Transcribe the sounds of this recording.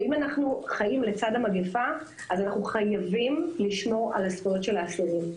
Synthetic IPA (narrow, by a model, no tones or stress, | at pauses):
imanaχnuχajimle̞t͡sadamaɡefa | azanaχnuχajavimliʃmo̞ʁa̰laspojotʃe̞laːsuʁim